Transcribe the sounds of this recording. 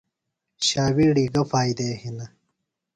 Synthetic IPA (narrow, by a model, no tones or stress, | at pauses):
ɕaːwiɽiːɡɐfaːjd̪eːhinɐ